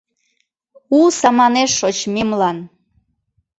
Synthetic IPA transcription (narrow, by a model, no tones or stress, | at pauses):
usɑmɑneʃːot͡ɕmimlɑn